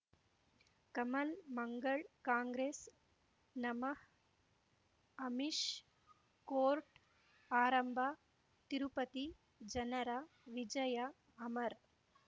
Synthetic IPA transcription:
kɐmɐlmɐŋɡɐɭkaːŋɡɾeːs | nɐmɐh | ɐmiʂ | koːɾʈ | aːɾɐmbʱaː | t̪iɾupɐt̪i | d͡ʒɐnɐɾa | ʋid͡ʒɐja | ɐmɐɾ

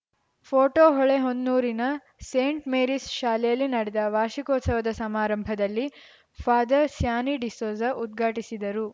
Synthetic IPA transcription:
pʰoːʈoːɦɔɭeɦond̪nuːɾinɐ | seːɳʈmeːɾisʃaːlɛjɐlːinɐɽɛd̪ɐʋaːʃikɔːt̪sɐʋɐd̪ɐsɐmaːɾɐmbʱɐd̪ɐlːi | pʰaːd̪ɐsjaːniɖisoːzɐʔud̪̚ɡʱaːʈisid̪ɐɾu

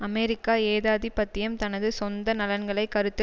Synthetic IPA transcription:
ɐmɛɾɪkːaːeːðaːðipɐt̪ːɪjɐmt̪ɐnɐðɯsɔnd̪ɐnɐlɐnɡɐɭɐɪkɐɾɯt̪ːɯ

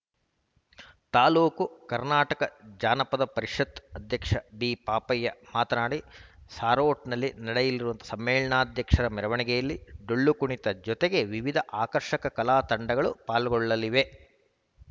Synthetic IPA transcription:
t̪aːluːkukɐɾnaːʈɐkɐd͡ʒaːnɐpɐd̪ɐpɐɾiʂɐt̪ːɐd̪ʱjɐkʂɐbiːpaːpɐjːɐmaːt̪ɐnaːɽisaːɾoːʈnɐlːinɐɽejɐlːiɾuʋɐnt̪ɐ̥sɐmːeːɭɐɳaːd̪ʱjɐkʂɐɾɐmɛɾɐʋɐɳiɡɛjɐlːiɖoɭːukuɳit̪ɐd͡ʒɔt̪eɡe̞ʋiʋid̪ʱɐʔaːkɐɾʂɐkɐkɐlaːt̪ɐɳɖɐɡɐɭupaːlɐɡɔɭːɐliʋe̞

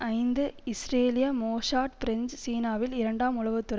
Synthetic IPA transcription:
ɐɪnd̪ɯɪsɾeːlɪjɐmoːʂaːʈpɪɾɪnd͡ʒsiːnaːʋɪlɪɾɐɳɖaːmʊɭɐʋɯt̪ːʊɾɐ

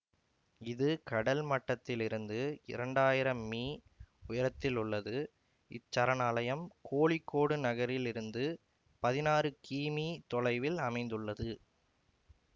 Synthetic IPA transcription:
ɪðɯkɐɽɐlmɐʈːɐt̪ːɪlɪɾɯnd̪ɯɪ̰ɾɐɳɖaːjɪɾɐmːiː | ʊjɐɾɐt̪ːɪlʊɭːɐðɯ | ɪ̰t͡ʃːɐɾɐnaːlɐjɐmkʰoːɭɪkːoːɽɯnɐɣɐɾɪlɪɾɯnd̪ɯ | pɐðɪnaːrɯkiːmiːt̪ɔlɐɪʋɪlɐmɐɪnd̪ɯɭːɐðɯ

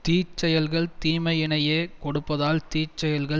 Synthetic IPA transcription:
t̪iːt͡ʃːɐjɐlɣɐɭt̪iːmɐjɪnɐjeːkɔɽɯpːɐðaːlt̪iːt͡ʃːɐjɐlɣɐ

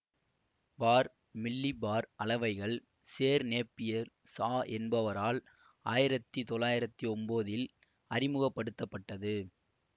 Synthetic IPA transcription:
baːɾ | mɪlːibaːɾɐlɐʋɐɪɣɐɭ | seːɾneːpːɪjɐɾsaːʔɛnbɐʋɐɾaːl | aːjɪɾɐt̪ːit̪ɔlaːjɪɾɐt̪ːiɔmboːðɪl | ɐrɪmɯɣɐpːɐɽɯt̪ːɐpːɐʈːɐðɯ

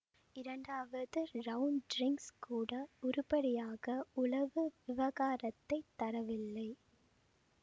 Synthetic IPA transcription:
ɪɾɐɳɖaːʋɐðɯɾɐʊnɖɾɪŋkskuːɽɐʊɾʊpɐɽɪjaːɣɐʊlɐʋɯʋɪʋɐɣaːɾɐt̪ːɐɪt̪ːɐɾɐʋɪlːɐɪ

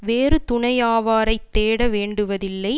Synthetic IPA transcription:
ʋeːɾɯt̪ʊɳɐjaːʋaːɾɐɪt̪ːeːɽɐʋeːɳɖɯʋɐðɪlːɐɪ

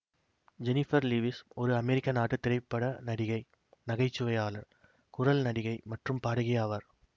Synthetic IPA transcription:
d͡ʒɛnɪfɐɾliʋɪsɔɾɯɐmɛɾɪkːɐnaːʈːɯt̪ːɪɾɐɪpːɐɽɐnɐɽɪɣɐɪ | nɐɣɐɪt͡ʃːɯʋɐjaːlɐɾ | kʊɾɐlnɐɽɪɣɐɪmɐʈrɯmpaːɽɐɣɪjaːʋɐɾ

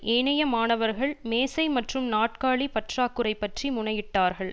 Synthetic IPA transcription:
ʔeːɳɐjɐmaːnɐʋɐɾɣɐɭmeːsɐɪmɐʈrɯmnaːʈkaːɭipɐʈraːkːɯɾɐɪpːɐʈrimʊɳɐjɪʈːaːɾɣɐɭ

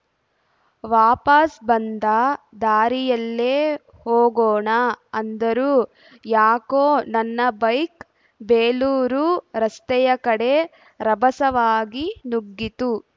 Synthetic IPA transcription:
ʋaːpɐsbɐnd̪ɐd̪aːɾijɐlːeː | hoːɡoːɳɐɐnd̪ɐɾuː | jaːkoːnɐnːɐbɐjk | beːluːɾuɾɐst̪ɛjɐkɐɽe̞ | ɾɐbɐsɐʋaːɡinuɡːit̪u

